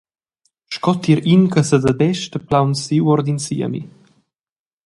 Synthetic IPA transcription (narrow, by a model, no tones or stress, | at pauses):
ʃkɔt̪iɾinkəsəd̪ad̪ɛʃtəplawnsiwɔɾd̪insḭə̰mḭ